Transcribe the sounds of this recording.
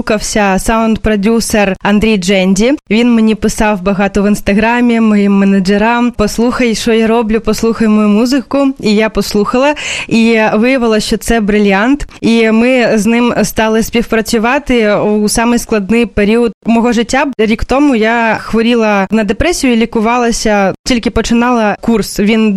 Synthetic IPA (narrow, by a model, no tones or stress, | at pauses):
kɐwsʲɐsaʊnd̪pɾɔdʲuserɐnd̪ɾʲijd͡ʒɛnʲdʲiʋʲinmenʲipɪsɑwbɐɣɑt̪ɔʋɪnst̪ɐɣɾɑmʲimɔjimːɛnɐd͡ʒeɾɑmpɔslˠuxɐjʃɔjaɾɔblʲʊpɔslˠuxɐjʊmɔjumuzɪkʊijapɔslˠuxɐlˠɐiʋɪjɐʋɪlˠɐʃt͡ʃɔt̪sɛbɾɪlʲant̪imɪznɪmst̪ɑlˠɪsʲpʲiwpɾɐt͡sʲʊʋɑt̪ɪusɑmɪjsklˠɐd̪nɪjpeɾʲiɔd̪mɔɦɔʒɪtʲːaɾʲikt̪ɔmʊjaxʋɔɾʲilˠɐnɐd̪epɾɛsʲijʊlʲikʊʋɑlˠɐsʲɐtʲilʲkɪpɔt͡ʃɪnɑlˠɐkursʋʲin